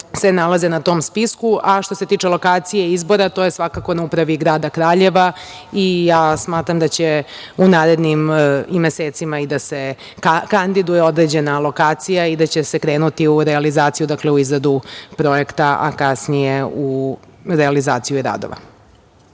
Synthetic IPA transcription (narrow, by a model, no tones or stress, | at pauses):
se̞nalazenat̪o̞ːmspiskuaʃt̪o̞se̞t̪iːt͡ʃe̞lo̞kaːt̪sijeizbo̞ɾat̪oːjesʋakako̞naupɾaʋiɡɾaːd̪akɾaːʎe̞ʋa | ijaːsmaːt̪ɾamd̪at͡ɕeunaːɾe̞d̪nimime̞seːt̪simaid̪ase | kand̪id̪ujeo̞d̪ɾe̞d͡ʑe̞nalˠo̞kaːt̪sijaid̪at͡ɕese̞kɾeːnut̪iuɾealizaːt̪sijud̪akleuizɾad̪upɾo̞e̞kt̪aa̰kasnije̞u | ɾealizaːt̪sijuiɾa̰ːd̪o̰ʋa̰